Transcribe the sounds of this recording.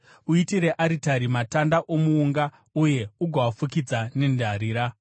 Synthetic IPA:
uitiɾe̞ʔaɾitaɾimatandaʔomuːŋɡa | uje̞uɡʱawafukid͡zane̞ndʱaɾiːɾa

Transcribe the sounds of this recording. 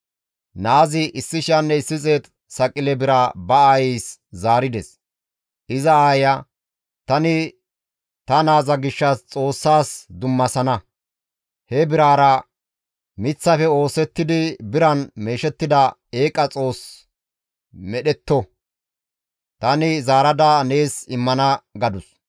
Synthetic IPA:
naːzɪʔɪsːɪʃɐnːɛɪsːɪt͡sʼeːt̪ | sɐkʼɪlɛbɪɾabɐajɛːszaːɾɪd̪ɛs | ʔɪzɐaːjɐ | t̪ɐnɪ | t̪ɐnaːzɐɡɪʃːɐst͡sʼo̞ːsːaːsd̪ʊmːɐsɐnɐ | hɛbɪɾaːɾɐ | mɪt͡sːɐfɛo̞ːsɛt̪ːɪd̪ɪbɪɾɐnme̞ːʃɛt̪ːɪd̪ɐe̞ːkʼɐt͡sʼo̞ːs | mɛɗɛt̪ːɔ | t̪ɐnɪzaːɾɐd̪ɐne̞ːsɪmːɐnɐɡɐd̪ʊs

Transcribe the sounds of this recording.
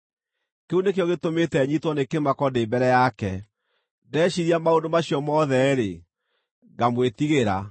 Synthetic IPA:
keunekeɔɣetometɛɲitwɔnekemakɔdeːbɛɾɛjakɛ | dɛːɕiɾiamaondomaɕjɔmɔðɛɾe | ɡamwetiɣeɾa

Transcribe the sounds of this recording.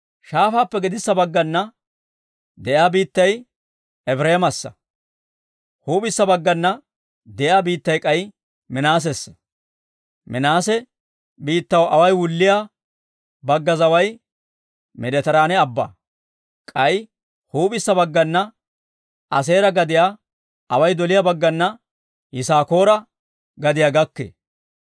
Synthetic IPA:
ʃaːfaːpːɛɡɪd̪ɪsːɐbɐɡːɐnːɐ | d̪ɛjaːbiːt̪ːɐj | ɛbɾeːmɐsːɐ | huːpɪsːɐbɐɡːɐnːɐ | d̪ɛjaːbiːt̪ːɐjkʼɐj | mɪnaːs̬ɛs | mɪnaːsɛ | biːt̪ːɐwʔɐwɐjwʊlːɪjaː | bɐɡːɐzɐwɐj | mɛd̪ɛt̪ɐɾaːnɛɐbːɐ̰ | kʼɐj | huːbɪsːɐbɐɡːɐnːɐ | ɐse̞ːɾɐɡɐd̪ɪjaː | ɐwɐjd̪ɔlɪjabɐɡːɐnːɐ | hɪsaːko̞ːɾɐ | ɡɐd̪ɪjaːɡɐkːḛ

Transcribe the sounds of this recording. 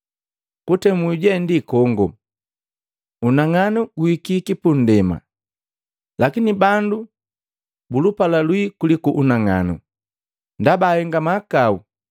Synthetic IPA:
kutɛmuuɟɛndikɔŋɡɔ̰ | unaŋanuɡuikikipun̩dɛma̰ | lakinibandu | bulupalalwikulikuʔunaŋa̰nṵ | ndabaːhɛŋɡamakau

